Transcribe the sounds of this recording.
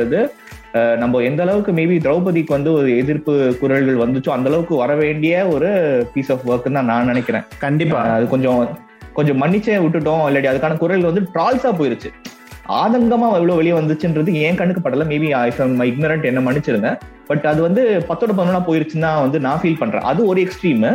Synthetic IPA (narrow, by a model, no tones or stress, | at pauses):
ɐðɯ | nɐmbɐɛnd̪ɐlɐʋɯkːɯmeːbid̪ɾɐʊp̬ɐðikːɯʋɐnd̪ɯɔɾɯɛðɪɾpɯkʊɾɐɭɣɐɭʋɐnd̪ɯt͡ʃːʊ̃ːɐnd̪ɐlɐʋɯkːɯʋɐɾɐʋeːɳɖɪjɐɔɾɯpiːsaːfʋɐːɾkɯnãːnãːnɪnɛkʲːɪɾḛ̃ːkɐɳɖɪpːaːɐðɯkɔɲd͡ʒɔ̃ | kɔɲd͡ʒɔ̃mɐɳːɪt͡ʃːeʊʈːɯʈ̬ːõːɪlːɐɽiɐðɯkːaːnɐkʊɾɐɭɣɐɭʋɐnd̪ɯʈɾaːlsaːp̬oːjɪɾɯt͡ʃːɯ | ʔa̰ːðɐŋɡɐmaːɛʋɐɭʋoːʋɛɭɪjɐʋɐnd̪ɯt͡ʃːɯɪnɾɐðɯẽːŋkɐɳːɯkːɐpːɐʈːɐlɐmeːbiɪsɐmɪɡ̚nɐɾɐɳʈɛnːɐmɐɳːɪt͡ʃːɯɾɯŋɡ̪ɐ | b̥ɐʈːɐðɯʋɐnd̪ɯpɐt̪ːɔːɽɐpɐðnɯnaːpoːjɪɾɯt͡ʃːɯnːãːʋɐnd̪ɯnãːfiːlpɐɳːɾḛ̃ːʔɐðɯɔɾɯɛksʈɾiːm